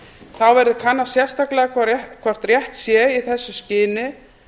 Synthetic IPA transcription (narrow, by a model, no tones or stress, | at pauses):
θawvɛɾðʏkʰanːasjɛr̥st̪aklɛɣakʰɔr̥t̪rjɛht̪sjɛiθɛsːʏscɪːnɪ